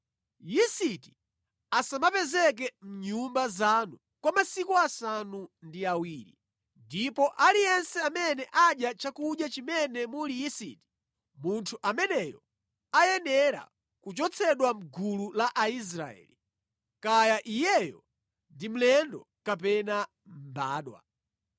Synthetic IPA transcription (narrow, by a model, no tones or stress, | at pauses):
jisiti | asamapɛzɛk̬ɛm̩ɲumbazanu | kwamasikuasanundiawiːɾi | ndipɔʔalijɛnsɛamɛnɛʔaɗjat͡ʃakuɗjat͡ʃimɛnɛmulijisḭti̥ | muntʰuʔamɛnɛjɔ̰ | ajɛnɛɾa̰ | kut͡ʃɔt͡sʰɛɗwam̩ɡululaʔais̬ɾa̰ɛ̰li | kajaʔijɛjɔ | ndim̩lɛndɔ | kap̬ɛna | m̩ba̰ːɗwa̰